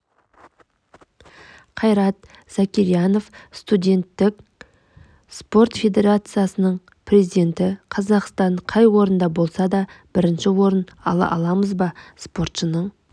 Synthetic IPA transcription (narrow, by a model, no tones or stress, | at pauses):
qʰɑjɾɑt̪ | z̥akʲiɾjɑno̞fst̪udʲe̞nt̪ːɪkʲ | spo̞rt̪fʲe̞d̪ʲe̞ɾat̪sɨjasənəɴ | pʰrʲe̞zijd̪ʲe̞nt̪ɪqʰɑzɑqst̪ɑɴqʰɑjwo̞ɾənd̪ɑbo̞lˠsɑd̪ɑb̥ɪɾɪnʃɪwo̞ɾənɑ̰lˠɑ̰ʔɑlˠɑməzbɑspo̞rt̪ʃənəɴ